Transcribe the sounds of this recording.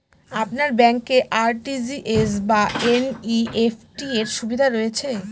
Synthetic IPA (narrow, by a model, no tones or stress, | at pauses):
apnaɾbɛŋkeʔaɾʈid͡ʑiʔesbaeniefʈieɾʃubid̪ʱaɾoet͡ɕʰe